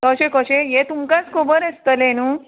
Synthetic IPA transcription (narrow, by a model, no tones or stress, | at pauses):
kəɕekəɕejet̪umkat͡skʰobəɾest̪əlenuː